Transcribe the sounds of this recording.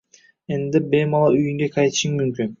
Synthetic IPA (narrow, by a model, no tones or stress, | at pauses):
end̪ebejmɑlˠɑyjyŋɡ̪ekʰɑjt̪ɯ̥ʃɯŋmymkyn